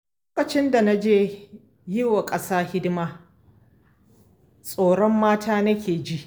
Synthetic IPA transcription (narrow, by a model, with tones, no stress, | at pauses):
l | oː˦kɐ˨t͡ʃɪ˦nda˨na˦d͡ʒeː˦ | jɪ˦wa˨kʼɐ˦saː˦hɪ˦dmaː˦ | sʼoː˨ɽɔ˦mːaː˦tʰaː˦nɐ˦kʲeː˨d͡ʒi˦ʔ